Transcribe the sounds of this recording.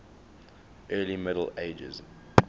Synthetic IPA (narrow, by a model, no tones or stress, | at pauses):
ʔɜːlimɪɾəl̩eɪd͡ʒə̰z